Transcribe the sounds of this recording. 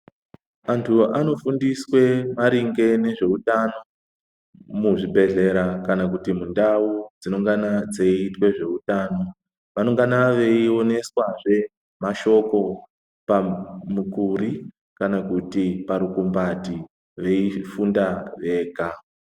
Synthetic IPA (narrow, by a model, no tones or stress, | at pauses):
antʰuano̞fundiswe̞maɾiŋɡe̞ne̞ʐe̞utano̞ | muʐibʱe̞ɮe̞ɾakanakutimundaud͡zino̞ŋɡanad͡zeitwe̞ʐe̞utaːno̞ | ʋano̞ŋɡanaʋe̞io̞ne̞swaʐe̞ | maʃo̞ko̞ | pamukuɾi | kanakutipaɾukumbati | ʋe̞ifundaʋe̞ːka